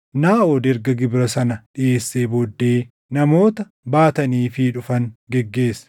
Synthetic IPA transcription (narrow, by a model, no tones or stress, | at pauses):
naːʔoːd̪ɛɾɡɐɡɪbɾɐsɐnɐᶑɪʔe̞ːsːeːboːd̪ːe̞ː | nɐmo̞ːt̪ɐ | baːt̪ɐniːfɪᶑʊfɐŋɡɛɡːe̞ːsːɐ̥